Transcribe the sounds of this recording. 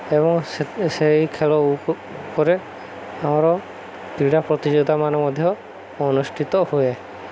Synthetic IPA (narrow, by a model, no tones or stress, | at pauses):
ɛbɔŋsejkʰɛlɔu | kɔɾɛ | aw̃ɾɔ | t̪iɽapɾɔt̪id͡ʒɔd̪ʱamanɔmɔd̪ʱjɔː | nusʈʰit̪ɔhujɛ